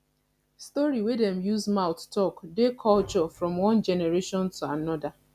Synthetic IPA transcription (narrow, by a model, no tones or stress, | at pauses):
stɔɹiwedɛ̃mjuzmaʊttɔkdekʰɔlt͡ʃɔfɹɔ̃mwɔ̃nd͡ʒɛnɛɹeʃɔ̃ntʰuanɔda